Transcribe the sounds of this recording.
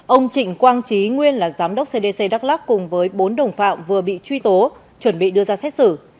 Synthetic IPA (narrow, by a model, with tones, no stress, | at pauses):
ʔə˧wŋ͡mt͡ɕï˧˨ŋ̟kwaː˧nt͡ɕi˨˦ŋwi˧ənlaː˨˩zaː˨˦mɗə˦˥wk͡p̚se˧ɗe˧se˧ɗaː˦˥k̚laː˦˥kkʊ˨˩ŋ͡mvəː˨˦jɓo˨˦nɗə˨˩wŋ͡mfa̰ː˧˨mvɨ˨˩əɓḭ˧˨t͡ɕwi˧t̪o˨˦ | t͡ɕwə˧˩nɓḭ˧˨ɗɨ˧əzaː˧sɛ˦˥t̚sɨ˧˩